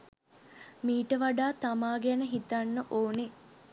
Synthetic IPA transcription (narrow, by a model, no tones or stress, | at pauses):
miːʈəʋaɖaːt̪amaːɡænəɦit̪anːəʔoːne